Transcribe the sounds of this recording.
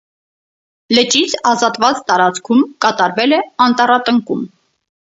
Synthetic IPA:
lət͡ʃit͡sʰɑzɑt̪vɑt͡st̪ɑɾɑt͡skʰumkɑt̪ɑɾvɛlɛɑnt̪ɑrɑt̪əŋkum

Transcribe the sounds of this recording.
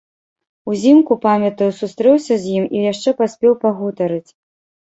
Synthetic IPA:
uzʲimkupamʲɐt̪ɐjwsust̪ɾɛwsʲɐzʲjimijaʂt͡ʂɛpasʲpʲɛwpaɣɔt̪ɐɾɨt͡sʲ

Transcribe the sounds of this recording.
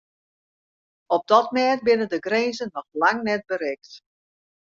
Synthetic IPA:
ɔp̚dɔtmɛːt̚bɪnəndəɡreːnzənɔxlaŋnɛt̚bəɾɛkt

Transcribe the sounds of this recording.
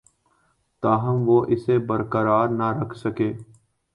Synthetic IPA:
t̪aːɦəmʋoːʔɪseːbəɾkəɾaːɾnaɾəkʰsəkeː

